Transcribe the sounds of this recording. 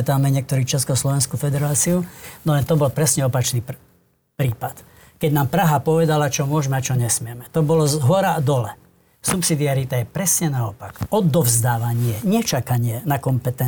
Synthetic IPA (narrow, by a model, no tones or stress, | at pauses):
ɛt̪aːmɛɲɪɛk̚t̪ɔɾiːt͡ʃɛskɔslɔʋɛnskufɛd̪ɛɾaːt͡siunɔlɛnt̪ɔbɔlpɾɛsɲɛɔpat͡ʃniː | pɾiːpat̪ | kɛɟnaːmpɾaɦapɔʋɛd̪alat͡ʃɔmʊɔʒmɛat͡ʃɔɲɛsmɪɛmɛt̪ɔbɔlɔzɦɔɾad̪ɔlɛ | supsid̪iaɾit̪ajɛpɾɛsɲɛnaɔpakɔd̪ɔvzd̪aːʋaɲɪɛɲɛt͡ʃakaɲɪɛnakɔmpɛt̪ɛ